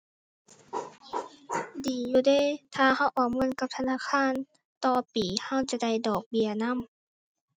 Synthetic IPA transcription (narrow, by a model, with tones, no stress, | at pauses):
diː˨˩˦juː˧˩deː˧˥˨t̪ʰaː˧ha˧˥˩wʔɔː˨˩mɯ˧˥˨nka˧p̚t̪ʰa˧naː˧˥˨kʰaː˧˥˨n | t̪ɔː˧piː˨˦ha˧˥˨wt͡ɕa˧˩da˧˩jdɔː˨˩k̚bi˧˩ɐna˧˥˨m